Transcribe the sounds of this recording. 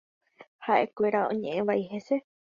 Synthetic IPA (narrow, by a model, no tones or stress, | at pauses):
haʔḛkʷeɾaõ̰ɲẽʔẽʋaiɦese